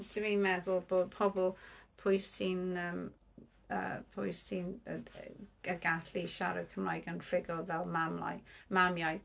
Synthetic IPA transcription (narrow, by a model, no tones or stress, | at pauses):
tʰɪvimɛðʊlˠb̥oːdpʰɔbɔlˠpʰʊjsinəm | ə̰pʰʊjsin | əɡaɬiʃaɾəkʰəmlajɡənfɪɡɔlˠvɛlˠmamla̰jmamjaj